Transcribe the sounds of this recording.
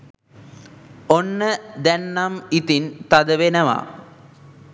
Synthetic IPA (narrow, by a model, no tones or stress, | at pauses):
onːəd̪ænːamit̪int̪ad̪əʋenəʋa̰